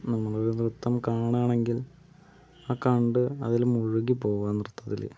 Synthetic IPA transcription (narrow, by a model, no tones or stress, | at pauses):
nɐmːɐɭo̞ɾunrut̪ːɐmkaːɳaːɳe̞ŋɡil | aːkɐɳɖɨɐðilumuɻuɣipo̞ːʋuʋaːnːrut̪ʰːɐðilḛ